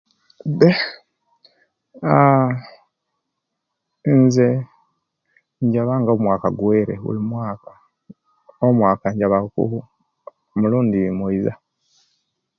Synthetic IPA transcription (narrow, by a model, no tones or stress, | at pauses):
de | a | nze | ɲɟaβaŋɡomwaːkaɡweːɾḛɣṵlimwaːka | omwaːkaɲɟaβakṵhu | muluːndimwoiza̰